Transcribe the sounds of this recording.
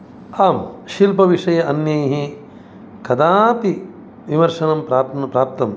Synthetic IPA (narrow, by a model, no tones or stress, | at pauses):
aːmʃilpɐʋiʂɐjɐɐnjɐjɦi | kɐd̪aːt̪i | ʋimɐɾʂɐnɐmpɾaːnɐpɾaːp̚t̪ɐm